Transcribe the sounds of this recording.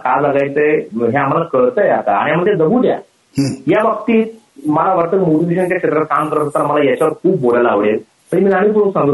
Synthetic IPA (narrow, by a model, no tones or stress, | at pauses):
kalləɡajt͡səɦeam̤alakəɾt̪əjat̪a̰a̰ɽijam̤əd̪jed̪əbud̪ja̰ | jaʋək̚t̪iːt̪̚ | məlaʋəɾt̪ːəkmoʈid̪iɕant͡ɕjakʂet̪ɾat̪̚kamkəɾəst̪am̤alajat͡ɕaʋəɾkʰuːp̚bolalaːʋɭel | t̪əɾimiːamiːp̬uɾũsəŋɡ